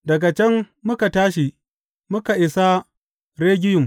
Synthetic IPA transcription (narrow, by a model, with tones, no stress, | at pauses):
dɐ˨ɡa˨t͡ʃɛ˦mː | ʊ˦ka˨taː˦ʃi˨ | mʊ˦ka˨ʔɪ˨sa˦ | ɾeː˦ɡʲɪ˦jʊ˨m